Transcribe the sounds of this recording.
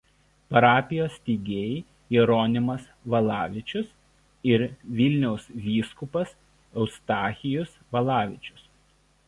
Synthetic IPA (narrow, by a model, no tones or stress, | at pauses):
pɐɾɑːpʲɪjoːsʲt̪ʲiːɡʲeːj | iɾɔːnʲɪmɐsʋɐlˠɑːʋʲɪt͡ʃʲʊs | ɪɾʋʲɪlʲnʲɛʊsʋʲiːskʊpɐs | ɐʊst̪ɑːxʲɪjʊsʋɐlˠɑːʋʲɪt͡ʃʲʊ̥s